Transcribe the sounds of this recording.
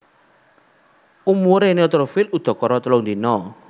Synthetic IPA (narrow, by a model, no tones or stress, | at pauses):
umuɾeneɔt̪ɾofilud̪̥ɔ̤kɔɾɔt̪əlʊŋd̪inɔ